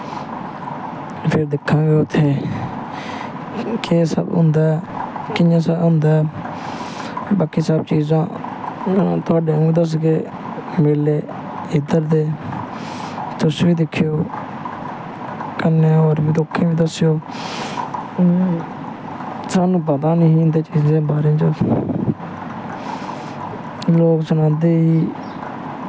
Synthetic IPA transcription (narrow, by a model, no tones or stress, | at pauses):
pʰɪɾd̪ɪkʰːãːɡəjoːt̪ʰeː | keːsa̰bʊ̰̃nd̪aːkɪɲãːs̬aːʊ̃nd̪aː | baːkːisab̚t͡ʃiːzãː | t̪oaːɖẽːŋiːd̪əs̬keː | mɪleː | ɪd̪əɾd̪eː | t̪ʊsʋiːd̪ɪkʰːɪjoː | kənːeːoɾbiːd̪oːkʰːẽːbiːd̪əsɪjoː | saːnũːpəd̪aːnɪ̃ɦĩːnd̪eːt͡ʃiːzẽːbaːɾẽːt͡ʃə | loːksənãːd̪eːiː